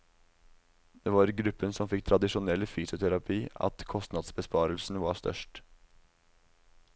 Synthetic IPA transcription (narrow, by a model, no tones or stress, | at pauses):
d̪̥eːʋɑɾɡɾʉpːənsɔmfɪk̚ːt̪ʰɾɑd̪ɪʃʊnɛlfyːsʊt̪ʰɛɾɑpʰiːɑ̰t̪kʰɔst̪nɑd̪sbəspɑːɾəlsn̩ʋɑːst̪œ̰ʂʈ